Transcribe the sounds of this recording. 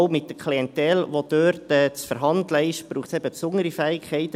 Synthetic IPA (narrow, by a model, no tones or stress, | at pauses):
ʊmɪt̚dəkʰliɛnt̪ɛlʋod̪øːɾtɛːt͡sfəɾɦɑndləɪʃb̥ɾuːχtsɛbəpsʊŋəɾifɛːɪkχɛɪt̪